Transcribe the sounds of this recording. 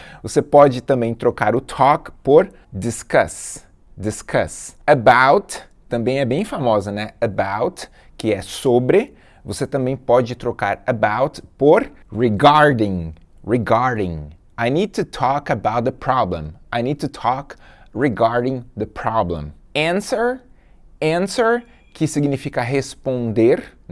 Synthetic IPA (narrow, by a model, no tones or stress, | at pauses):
vosepɔd͡ʒɪt̪ɐ̃mbẽj̃t̪ɾokaɾʊt̪ʰɔkpoɾ | d̪ɪskɐs | d̪ɪskʰɐsɐbawt̪ | t̪ɐ̃mbẽj̃ɛbẽj̃famɔzɐnɛɐbawt̪ | kɪɛsobɾɪ | voset̪ɐ̃mbẽj̃pɔd͡ʒɪt̪ɾokaɾabawt̪poɾ | ɹiɡaɾd̪ɪ̃ŋ | ɹiɡaɾdɪ̃ŋ | ajnid̪̚t̪ut̪ʰɔkɐbawt̪̚d̪əpʰɾɔblḛ̃majnid̪̚t̪ut̪ʰɔkɹiɡaɾdɪ̃ŋd̪əpʰɾɔblḛ̃m | ɛ̃nsəɾ | ɛ̃nsəɾ | kɪsiɡnifikɐɦespõnd̪eɾ